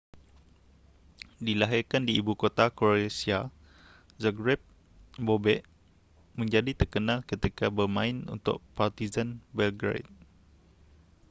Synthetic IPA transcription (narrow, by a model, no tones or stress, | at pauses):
dilaɦɪrkandiːbukot̪akoɾesia | zaɡɾɛp̚ | bobɛʔ | mə̃ɲd͡ʒadit̪ərkənãlkət̪ikabərmãɪnṵnt̪ʊ̰ʔ̚part̪izanbɛlɡɾḛjt̪̚